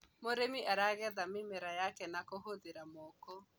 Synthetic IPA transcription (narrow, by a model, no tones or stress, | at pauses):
moɾemiʔaɾaɣɛðamimeɾajakɛnakohoðeɾamɔkɔ